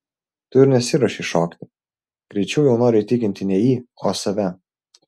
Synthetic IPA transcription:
t̪ʊɪɾnʲɛsʲɪɾɐʃʲɪʃoːkt̪ʲɪ | ɡ̥ɾʲɛɪt͡ʃʲɛʊjɛʊnoːɾʲʊit̪ʲɪkʲɪnʲt̪ʲɪnʲɛjiːoːsɐʋʲɛ

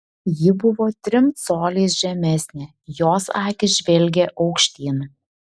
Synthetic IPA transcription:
jɪbʊʋoːt̪ʲɾʲɪmsoːlʲiːsʒʲɛmʲɛsʲnʲɛ | joːsɑːkʲɪʒʲʋʲɛlʲɡʲɛʔɒʊkʃʲt̪ʲiːn

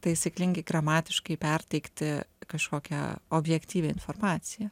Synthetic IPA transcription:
t̪ɐɪɪsʲɪklʲɪŋʲɡʲɛɡɾɐmɑːt̪ʲɪʃkɐɪpʲɛrʲt̪ʲɛɪkt̪ʲɪkɐʃkoːkʲɛ̰oːbʲjɛkt̪ʲiːʋʲeːɪnfoːrmɑːt̪sʲɪjɛ

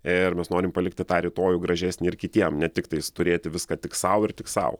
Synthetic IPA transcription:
ɪrmʲɛsnoːɾʲɪmpɐlʲɪkt̪ʲɪt̪ɑːɾʲɪt̪oːjuːɡɾɐʒʲɛsʲnʲɪɪrkʲɪt̪ʲiɛmnʲɛt̪ʲɪkt̪ɐɪst̪ʊɾʲeːt̪ʲɪʋʲɪskɑːt̪ʲɪksɐʊɪrtʲɪksɐ̰ʊ

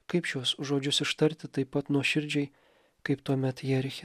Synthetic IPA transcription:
kɐɪpʃʲuɔsʒoːd͡ʒʲʊsɪʃt̪ɐɾʲt̪ʲɪt̪ɐɪpːɐt̪nuɔʃʲɪɾʲd͡ʒʲɛɪ | kɐɪpt̪uɔmʲɛt̪jɛɾʲxʲɪ

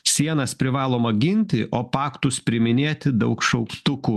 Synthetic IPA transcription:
sʲiɛnɐspʲɾʲɪʋɑːlˠoːmɐɡʲɪnʲt̪ʲɪʔoːpɑːkt̪ʊspʲɾʲɪmʲɪnʲeːtt̪ʲɪd̪ɐʊkʃɐʊkt̪ʊkuː

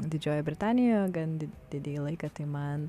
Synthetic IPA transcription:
d̪ʲɪd͡ʒʲoːjobʲɾʲɪt̪ɑːnʲɪjojɡɐnd̪ʲɪd̥̪ʲɪd̪ʲeːjlˠɐɪkɐt̪ɐɪmɐn

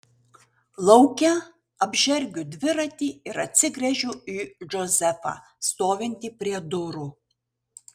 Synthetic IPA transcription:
lˠɒʊkʲɛ | ɐbʲʒʲɛɾʲɡʲʊd̪ʲʋʲɪɾɐt̪ʲiːɪɾɐt̪ʲsʲɪɡɾʲɛʒʲuːiːʒozʲɛfɑ̰ː | st̪oːʋʲɪnʲt̪ʲiːpʲɾʲiɛd̪ʊɾuː

